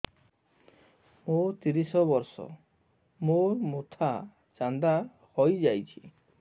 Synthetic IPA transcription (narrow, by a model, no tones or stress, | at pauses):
mot̪iɾisɔbɔɾsɔ̰ | moɾmot̪ʰa | t͡ʃand̪a | hɔjd͡ʒajt͡ʃʰi̥